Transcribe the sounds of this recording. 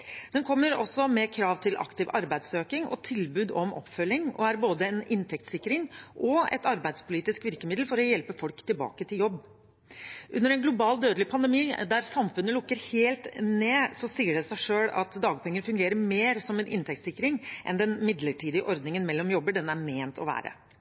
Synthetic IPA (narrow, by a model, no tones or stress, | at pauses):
d̪ɛnkʰɔmːəɾɔ̰sːɔmɛkʰɾɑːʋt̪ʰɪlʔɑ̰kt̪ɪʋɑɾbæɪd̪søːkɪŋɔ̰t̪ʰɪlbʉːd̪ɔmʔɔ̰pfœlːɪŋɔ̰æɾboːd̪əɛnɪnt̪ʰɛk̚t̪sɪkːɾɪŋʔɔɛ̰t̪ɑɾbæɪd̪spʰʊliːt̪ɪskʋɪɾkəmɪd̪l̩fɔɾɔjɛlpəfɔlkt̪ʰɪlbɑ̰ːkət̪ʰɪljɔbː | ʔʉnːəɾɛnɡlʊbɑːld̪øːd̪əlɪpʰɑnd̪əmiːd̪æɾsɑmfʉnːəlʊkːəɾheːlt̪neːsɔsiːəɖɛsæɪʂøːɽɑ̰t̪d̪ɑːɡpʰɛŋːəɾfʉŋɡeːɾəɾmeːɾsɔmɛnʔɪ̰nt̪ɛk̚t̪sɪkːɾɪŋʔɛ̰nd̪ɛnmɪd̪ləʈʰiːd̪ɪəʔɔɾd̪nɪŋənmɛlːɔmjɔbːəɖɛnːəæɾmeːnt̪ʰɔʋæ̰ːɾə̰